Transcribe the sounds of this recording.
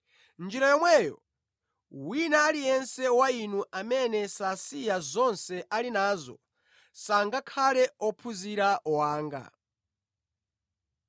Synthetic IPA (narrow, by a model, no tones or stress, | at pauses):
nd͡ʒiɾajɔmwɛːjɔ̰ | winaːlijɛnsɛwainuʔamɛnɛsasijazɔnsɛʔalinaːzɔ̰ | saŋɡakʰalɛɔpʰuziɾaʔɔwaːŋɡa̰